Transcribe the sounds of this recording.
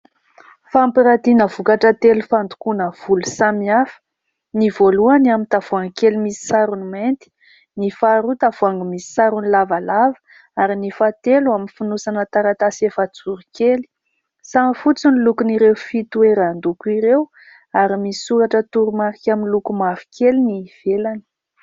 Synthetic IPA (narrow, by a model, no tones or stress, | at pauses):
fampiɾad̪inəvukaʈ͡ʂət̪elufand̪ukunəv̥ulusamiafə̥ | nivoluaniamit̪av̥uaŋkelimisi̥saɾuniment̪i̥ | nifaɾut̪avuaŋɡəmisi̥saɾunilavalavə̥ | aɾinifat̪eluaminfunusanət̪aɾat̪asiefat͡suɾikeli̥ | saŋfut͡sinilukuniɾewfit̪ueɾand̪ukuiɾew | aɾimisisuɾaʈ͡ʂət̪uɾumaɾikʲaminlukumafi̥kʰeliniv̥elani̥